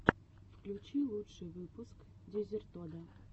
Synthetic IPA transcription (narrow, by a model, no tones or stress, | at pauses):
fklʲut͡ɕilˠut̪ʂɨjvɨpʊskd̪ʲezʲerʲt̪od̪ə